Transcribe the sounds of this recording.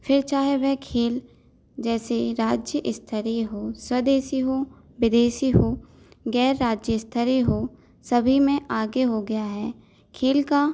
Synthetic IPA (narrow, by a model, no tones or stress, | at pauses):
fʰɪɾt͡ʃaːɦeʋɛɦkʰeːl | d͡ʒɛːseɾaːd͡ʒjəʔɪst̪ʰəɾiɦoːswəd̪eːsiɦoː | ʋɪd̪eːʃiɦoː | ɡɛːɾːaːd͡ʒjəɪst̪ʰəɾiɦoː | sɐbʱimẽʔaːɡeɦoɡɐjaɦɛː | kʰeːlka